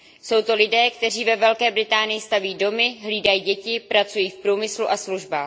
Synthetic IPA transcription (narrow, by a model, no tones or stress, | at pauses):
so̞wt̪o̞lɪdɛːkt̪ɛriːvɛvɛlkɛːbɾɪt̪aːnɪjɪst̪aviːdo̞mɪɦliːdajiːɟɛcɪpɾat͡sujiːfpɾuːmɪsluʔasluʒbaː